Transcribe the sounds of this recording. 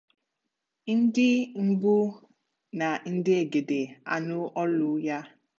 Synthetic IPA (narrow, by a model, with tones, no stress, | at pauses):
n̩˦dɪ˦m̩˦bʊ˦ | na˨n̩˦dɪ˦e˨ɡe˨de˨a̰˨nʊ˦ʔɔ˦lʊ˦ja˦